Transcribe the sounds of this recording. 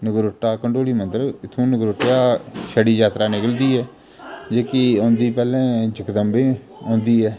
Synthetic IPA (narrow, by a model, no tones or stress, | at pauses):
nəɡɾoʈːaːkəɳɖoːliːmənt̪ɾəɪt̪ʰũːnəɡɾoʈːjaːʃəɽiːd͡ʒaːt̪ɾaːnɪkəld̪iːɛː | d͡ʒeːkiõːnd̪iːpɛːlɛ̃ːd͡ʒɪkd̪əmbẽː | õːnd̪iːɛː